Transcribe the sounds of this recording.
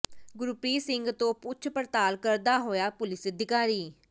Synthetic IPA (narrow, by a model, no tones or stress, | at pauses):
ɡʊɾupɾiːsɪŋɡt̪õːpʊt͡ʃʰpəɾt̪aːlkəɾd̪aːɦoːjaːpʊlɪsəd̪ʱɪkaːɾiː